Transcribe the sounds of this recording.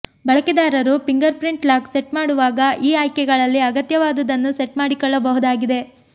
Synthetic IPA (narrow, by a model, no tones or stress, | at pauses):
bɐɭɐkɛd̪aːɾɐɾupiŋɡɐɾpɾiɳʈlaːkseʈmaːɽuʋaːɡɐʔiːaːjkɛɡɐɭɐlːiɐɡɐt̪jɐʋaːd̪ɐd̪ɐnːuseʈmaːɽikɔɭːɐbɐɦud̪aːɡid̪e̞